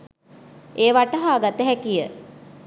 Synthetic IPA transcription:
eːʋaʈəɦaːɡat̪əɦɛkijə

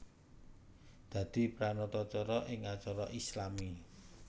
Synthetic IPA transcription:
d̪̥ä̤d̪̥i̤pɾanɔt̪ɔt͡ʃɔɾɔʔɪŋat͡ʃɔɾɔʔislami

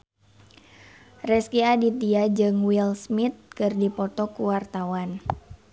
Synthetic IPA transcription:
rɛskiadit̪iad͡ʒɨŋwilsmit̪̚kɨrdipɔt̪ɔkuwart̪awan

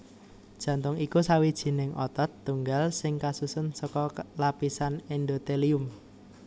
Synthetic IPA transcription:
d̥ʒ̥ä̤nt̪ʊŋikusawid̥ʒ̥i̤nɪŋɔt̪ɔt̪ːuŋɡalsɪŋkasusʊnsɔkɔlapisanend̪ot̪eliʊm

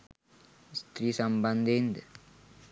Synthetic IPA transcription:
st̪ɾiːsɐmbɐnd̪end̪ə

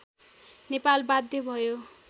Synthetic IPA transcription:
nepalbad̪ʱjʌbʱʌjo

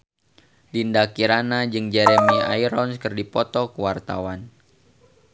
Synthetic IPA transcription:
lindakiɾanad͡ʒɨŋd͡ʒɛɾɛmɛa̰iɾɔnskɨrdipɔt̪ɔkuwart̪a̰wan

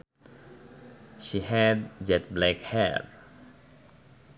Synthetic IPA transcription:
ʃiɦɛd̚d͡ʒɛtblɛkhɛ̰ɹ

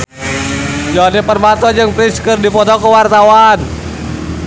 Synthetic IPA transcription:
d͡ʒanapərbat̪ɔd͡ʒəŋpɾiskərdipɔt̪ɔkəwart̪awan

